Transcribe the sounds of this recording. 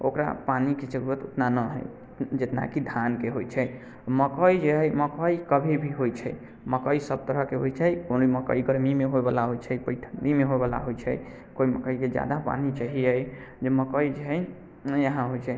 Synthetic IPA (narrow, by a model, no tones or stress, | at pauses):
okɾa̰paniket͡ʃəɡubət̪ot̪nanəɦə̰j | d͡ʒet̪na̰kid̪ʱankeɦojt͡ʃʰɛj | məkəid͡ʒeɦəməkəikəbʱibʱiɦojt͡ʃʰɛj | məkəisəb̚t̪əɾəɦkeɦojt͡ʃʰɛjkoniməkə̰iɡəɾmimeɦobəlaɦojt͡ʃʰɛpəɪʈʰəɳɖimeɦoebəla̰ɦojt͡ʃʰɛ̰j | koiməkəiked͡ʒja̰d̪apa̰nit͡ʃaɦiəj | d͡ʒeməkəid͡ʒeɦə | jəɦãɦojt͡ʃʰɛ